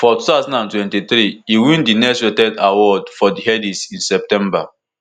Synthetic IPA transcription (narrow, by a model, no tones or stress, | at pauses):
fɔtuθaʊzãnãntwɛ̃ntiθɾiiwĩndinɛswetɛdawɔdfɔdiɦɛdisĩnsɛp̚tɛ̃mba̰